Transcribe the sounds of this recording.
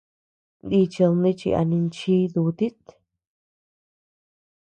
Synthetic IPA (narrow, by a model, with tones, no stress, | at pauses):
nd̪i˧t͡ʃi˧lnĩ˧t͡ʃḭ˧ʔa̰˧nĩ˧nt͡ʃi˦ðu˧t̪i˦t̪